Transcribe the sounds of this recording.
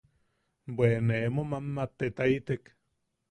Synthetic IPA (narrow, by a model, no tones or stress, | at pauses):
bwenemomamːat̪ːet̪ait̪ek